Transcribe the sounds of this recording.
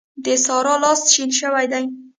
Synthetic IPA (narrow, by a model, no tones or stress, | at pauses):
d̪əsɑɾɑlɑst̪ʃinʃəwajd̪aj